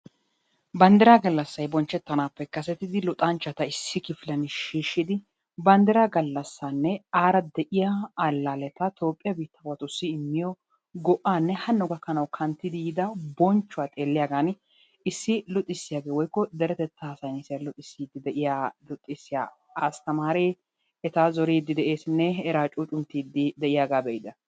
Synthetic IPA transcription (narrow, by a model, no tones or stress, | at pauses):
bɐnd̪ɛɾaːɡɐlːɐsːɐjbɔnt͡ʃːɛt̪ːɐnaːpːɛkɐsɛt̪ːɪd̪ɪlɔt̪ʼant͡ʃːɐt̪ɐɪsːɪkɪfɪlɐnʃiːʃːɪd̪ɪ | bɐnd̪ɛɾaːɡɐlːɐsːaːnːɛaːɾɐd̪ɛʔɪjaɐlːaːlɛt̪ɐt̪o̞ːpʼːɪjɐbiːt̪ʰːɐwɐt̪ʊsːiɪmːɪjɔ | ɡɔʔːaːnːɛhɐnːɔɡɐkːɐnɐwkʰɐnt̪ːɪd̪ijɪd̪ɐbɔnt͡ʃːʊwaːt̪ʼe̞ːlːɪjaːɡaːn | ɪsːɪlɔt̪ʼːɪsːɪjaːɡeːwɔjkːɔd̪ɛɾɛt̪ɛt̪ːasɐjnɪsɪjɐlɔt̪ʼːɪsːiːd̪ːɪd̪ɛʔɪjaːlɔt̪ʼːɪsːɪja̰ | ast̪ɐmaːɾeː | ɛt̪aːzɔɾiːd̪ːɪd̪ɛʔeːsnːɛɛɾaːt͡ʃʼuːt͡ʃʼʊnt̪iːd̪ːɪd̪ɛʔɪjaːɡaːbɛjɪd̪ɐ